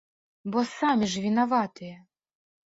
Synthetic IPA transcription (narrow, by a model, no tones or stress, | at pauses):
bɔsamʲiʐvʲinɐvɑt̪ɨjɛ